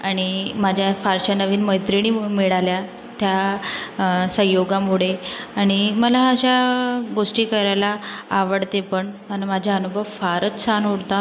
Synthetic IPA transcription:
aɽ̃imad͡ʑʱjafaɾɕənəʋiːnməjt̪ɾiɽiːmiɭalja | t̪ja | sə̃ɦjoɡãmuɽeaɽ̃iməlaəɕaɡoʂʈiːkəɾajlaːʋəɽt̪epəɳmənamad͡ʑʱjaənubʱəʋfaɾət͡ssanɦoɽt̪a

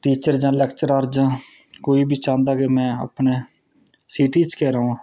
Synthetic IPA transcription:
ʈiːt͡ʃəɾd͡ʒãːlɛːkt͡ʃəɾaːɾd͡ʒãː | koːiːbiːt͡ʃãːnd̪aːkemɛ̃ːa̰pneː | siːʈiːt͡ʃkɛːɾaːũː

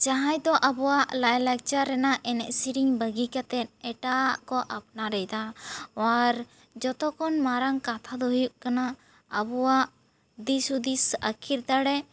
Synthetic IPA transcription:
t͡ʃaɦajd̪ɔʔabɔwaʔlajlak̚t͡ʃaɾːɛnaʔɛnɛʔsiɾiɲbəɡikat̪ɛt̪̚ɛʈaʔkɔʔap̚naɾɛjd̪aaɾ | d͡ʒɔt̪ɔkɔnmaɾaŋkat̪ʰad̪ɔɦujuʔkana | abɔwaʔ | d̪isud̪isakʰiɾt̪aɽɛ

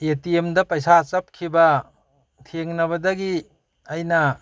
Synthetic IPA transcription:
etiemdɐpɐjsat͡ʃɐp̚kʰibɐ | tʰeŋnɐβɐdɐɡi | ɐjnɐ

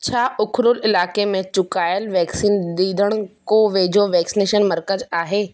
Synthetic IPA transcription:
t͡ɕʰaːʔʊkʰɾʊlɪlaːkemẽt͡ɕʊkaːjəlʋɛːksiːnd̪iːd̪ʱəɽ̃koːʋeːd͡ʑoʋɛːksineːʃənmɐɾkəzaːɦeː

